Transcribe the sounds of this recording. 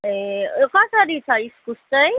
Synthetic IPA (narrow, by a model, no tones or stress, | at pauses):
ekʌsʌɾit͡sʰʌiskust͡sʌj